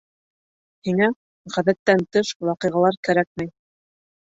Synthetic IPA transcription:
hiŋæ | ʁæðæt̪ːænt̪ɤʃwɑqɤjʁɑlˠɑɾkæɾæk̚mæj

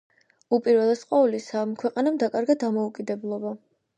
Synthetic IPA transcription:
upʼiɾvɛlˠasqʼwaulisamkʰwɛqʼanamd̪akʼaɾɡad̪amɔukʼid̪ɛblˠɔba

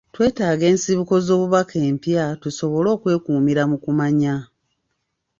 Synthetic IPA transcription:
twe̞ːtaːɡe̞ːnsiβuko̞zo̞ːβuβakʰe̞ːmpjatuso̞βo̞lo̞ːkwe̞ːkuːmiɾamukumaɲa

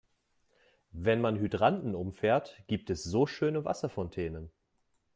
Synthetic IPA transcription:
vɛnmanɦydʁandn̩ʊmfɛːɐtɡ̥iːp̚tɛsz̥oːʃøːnəva̰sɐfɔntʰɛːnən

